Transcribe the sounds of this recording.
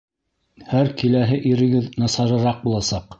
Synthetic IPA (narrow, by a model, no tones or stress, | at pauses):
hæɾkilæɦɘʔiɾɘ̆ɡɘðnɑsɑɾɤ̆ɾɑq̚bulˠɑsɑq